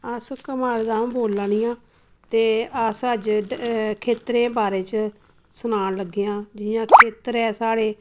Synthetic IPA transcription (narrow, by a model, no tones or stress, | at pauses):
əskəmaːɽd̪ãːboːlaːɳɪjãː | t̪eːəsəd͡ʒ | kʰeːt̪ɾẽːbaːɾeːt͡ʃ | sʊnaːnləɡːeːãːd͡ʒɪjãːkʰeːt̪əɾɛːsaːɽeː